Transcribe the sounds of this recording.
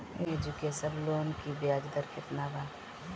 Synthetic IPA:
ed͡ʒukesɐbloːnkibjaːd͡ʒd̪əɾkʰɪt̪naːbaː

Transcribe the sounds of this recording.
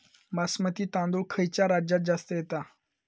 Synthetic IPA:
masmət̪iːt̪ãnd̪uɭkʰəjt͡ɕjaɾad͡ʑat̪̚d͡zast̪əjet̪a

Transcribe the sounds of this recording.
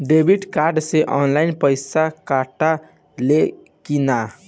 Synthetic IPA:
ɖebiʈkaɾɖseʔɔnlaɪnpəɪsakaʈa | le | kina

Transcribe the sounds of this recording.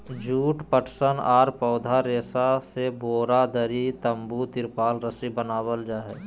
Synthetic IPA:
d͡ʒuːʈpəʈʰsənaːɾpɔːd̪ʱaɾeːsaseboːɾad̪əɾit̪ə̃mbut̪ɪɾpaːlɾəsibənaːwəld͡ʒaːɦɛː

